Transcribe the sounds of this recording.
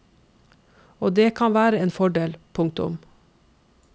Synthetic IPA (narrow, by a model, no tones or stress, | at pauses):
oːd̪eːkʰɑnʋæːɾəeːnfɔɖeːlpʰʊŋ̚t̪ʊ̰m